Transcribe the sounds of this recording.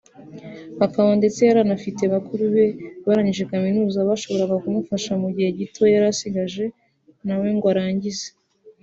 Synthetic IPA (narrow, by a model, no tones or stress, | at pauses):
akaβande̞t͡sejaɾanafite̞βakuɾuβe̞βaɾaɲiʒe̞kaminuːzaβaʃo̞βo̞ɾaɡakumufaʃamuɟihe̞ɟitojaɾasiɡaʒe̞ | nawe̞ŋɡoaɾaːɲɟize